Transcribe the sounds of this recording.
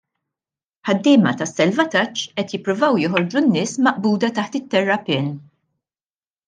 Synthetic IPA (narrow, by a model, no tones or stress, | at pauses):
ħɐd̪ːɪːmɐt̪ɐsːɛlvɐt̪ɐt͡ʃːʔɛt̪jɪpːɾʊvɐwjɔħɔɾd͡ʒunːɪːsmɐʔbuːd̪ɐt̪ɐħt̪ɪt̪ːɛrːɐpɪːn